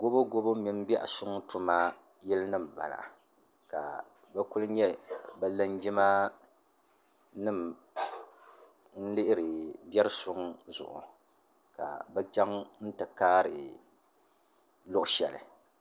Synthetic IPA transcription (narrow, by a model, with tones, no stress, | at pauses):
ɡo˦bo˦ɡo˦bo˦mi˦m̩˦bi˦ʔa̰˨sʊ˦ŋ˦tu˦ma˦ | jɛ˦lnɨ˦m˨ba̰˨la̰˨ | ka̰˨ | bɛ˦ku˦lɨ˦ɲɛ˦bɛ˦la˦nd͡ʒi˦ma˦ | nɨ˦˨m | n̩˦lɪ˦ʔɪ˦ɾɨ˨bɛ˦ɾɨ˦sʊ˦ŋzʊ̰˨ʔʊ̰˨ | ka̰˨bɛ˦t͡ʃa˦ŋn̩˦tɨ˨kaː˦ɾɨ̰˨ | lʊ˦ʔʊ˦ʃɛ˨lɨ̰˨